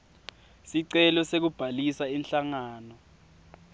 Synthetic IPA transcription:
siǀɛlɔsek̬ub̥ʱalisainɬaŋaːnɔ

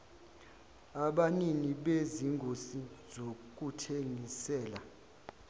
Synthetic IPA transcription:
aɓaniŋiɓeziŋɡʱosizok̬ʼutʰeŋisɛːla

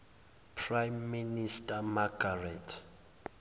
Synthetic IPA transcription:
pʰrajmːinistʼamaɡarɛtʰ

